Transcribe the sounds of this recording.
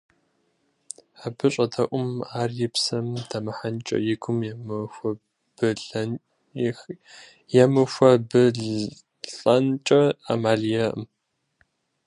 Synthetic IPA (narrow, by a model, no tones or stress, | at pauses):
ħabɨɕʼɐtʰɐʔʷʊmaːrjɪpsɐmtʰɐmɐħant͡ʃʼɐ̰jɪɡʷʊmjmɨɐ | b̥ɨɮ | jɛmɨxʷɐbɨ | ɬʼɐnt͡ʃʼɐa̰maːɮijɐʔə̰m